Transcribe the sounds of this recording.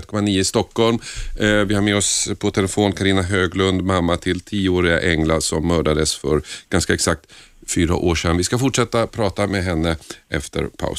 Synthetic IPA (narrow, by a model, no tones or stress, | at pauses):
t̪̚ːkʰɔmaniːʊɪst̪ɔkʰːɔlmvɪhaɾmeːɔspʰɔt̪ʰɛlɛfoːnkʰaɾiːnaɦøːɡlɵnd̪mamːat̪ʰɪlt̪ʰiːəoːɾɪɡa̰ʔɛŋlasɔmːœːɖad̪əsfœɾɡ̥anskaɛksak̚t̪ | fyːɾa̰ʔoːʂɛnvɪskafʊʈʂɛt̪ːapʰɾɑːt̪amɛɦɛnːəʔɛ̰ft̪ə̰ɾpʰa̰ʊ